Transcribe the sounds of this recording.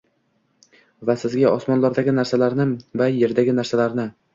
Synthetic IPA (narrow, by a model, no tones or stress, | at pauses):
vasɪzɡʲaɒsmɒnlɒɾd̪aɡʲɪnaɾsalaɾnɪvaje̞ɾd̪aɡʲɪnaɾsalaɾnɪ